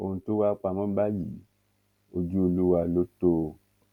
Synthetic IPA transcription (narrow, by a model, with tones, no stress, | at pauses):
o̰˨ũ˧tu˦wa˦k͡pa˧mã˦ba˦ji˨ | o˧d͡ʒu˦o˧lu˦wa˧lo˦to˦